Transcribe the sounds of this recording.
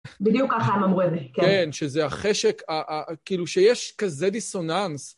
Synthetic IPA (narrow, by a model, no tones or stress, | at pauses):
bid̪jukːaχaemamʁuedekkenʃezeaχeʃekaʔakiːluʃejeʃkazediso̞nans